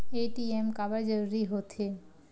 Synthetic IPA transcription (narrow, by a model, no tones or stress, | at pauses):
eʈiemkabaɾd͡ʑoɾuɾiɦot̪ʰe